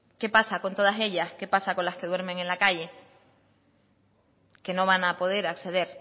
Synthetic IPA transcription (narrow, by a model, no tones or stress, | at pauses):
ke̞pasako̞nt̪o̞ðase̞ʎaske̞pasako̞nlahke̞ðwe̞ɾme̞ŋe̞nlakaʎe̞ | ke̞no̞β̞anapo̞ðe̞ɾakse̞ðe̞ɾ